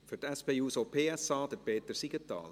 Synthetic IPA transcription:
fʏrtɛspeːuːsopʰeːɛsɑːd̥̪əpeːt̪əɾsiɡ̥ətːɑ̰ːl

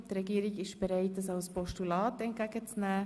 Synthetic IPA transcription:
t̪ɾɛɡiːɾiɡɪʃb̥ɛɾɛɪt̚dɑsaʊspɔʃtulɑːtɛnt̚ɡ̥æɡ̥ət͡snæː

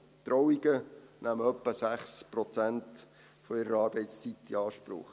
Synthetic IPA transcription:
d̥̪ɾɔwiɡ̥ənʔæməœpːəsæχspɾɔt͡sænt | fɔɪɾəɾəɑːɾb̥ɛɪtst͡sit̪ːiɑːʃpɾʊ̰χ

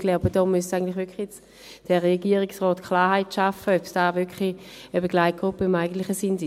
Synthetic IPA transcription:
ɡ̥laʊbəd̥ɔmysaɪɡəntlɪχvʏɐkχlijet͡s | d̥ɛʁeɡiːəʁiksʁɔːtkʰlaːɦaɪtʃafəœpsd̥aːvʏkχli | əbeɡlaɪt̚ɡ̥ʁupːəimaɪɡəntlɪχəsins

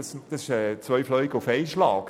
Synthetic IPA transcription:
sd̥ɑsɪʃɛt͡sʋœʏflœʏɡəufɛɪʃlɑːk

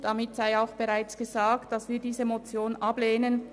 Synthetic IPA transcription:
d̥ɑmɪtz̥aɪaʊxb̥əʁaɪt͡sɡ̥əzaːk̚td̥asviːdiːzəmot͡sjoːnʔɑbleːnən

